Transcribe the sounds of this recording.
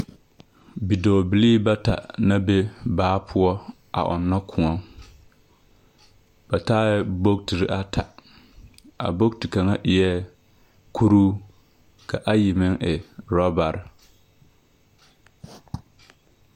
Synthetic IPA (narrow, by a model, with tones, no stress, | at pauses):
bi˨doː˨bi˨liː˦ba˦ta̰˨na˦be˦baː˦pʰʊ˦ɔ˦ | ʔa̰˨ʔɔ̰˨nːa˦kʰʊ̃˨ɔ˦ŋ | ba˨taː˦ɛ˦bo˦k̚ti˨ɾi˦ʔa˦tʰa˨ | a̰˨bo˦k̚ti˨ka˨ŋa˦ʔɪ˨jɛ˦ | kʰu˦ɾuː˦ | ka˨ʔa˦ji˨mɪ˦ŋʔɪ˨ɾɔ˦ba˨ɾ